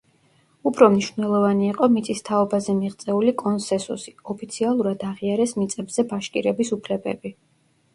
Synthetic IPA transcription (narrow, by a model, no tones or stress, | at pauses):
upʰɾɔmniʃv̥nɛlˠɔvaniːqʼɔmit̪sʰʼist̪ʰaɔbazɛmiʁt̪sʼɛulikʼɔnsɛnsṵsiɔpʰit̪sʰialˠuɾad̪aʁiaɾɛsmit̪sʼɛbzɛbaʃkʼḭɾɛbisupʰlɛbɛ̰bi